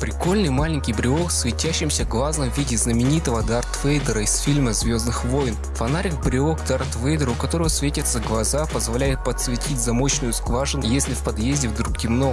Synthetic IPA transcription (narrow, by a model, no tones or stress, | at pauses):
pɾʲɪko̞lʲnɨjmalʲɪnʲkʲɪjbɾʲɪoksvʲɪtʲæɕːɪmsʲəɡlˠaznəmvʲidʲɪznəmʲɪnʲit̪əvəd̪art̪vɛjd̪əɾəisfʲilʲməzvʲoznɨxvojɪn | fɐnaɾʲɪkbɾʲɪokd̪art̪vɛjd̪əɾʊkɐt̪o̞ɾəvəsvʲetʲɪt̪səɡlˠɐzapəzvɐlʲæjɪt̪̚pət̪svʲɪtʲʰitʲzɐmo̞ɕnʊjʊsklˠaʐɨnʊjesʲlʲɪfpɐd̪jezʲdʲɪvd̪ɾukkʲɪmno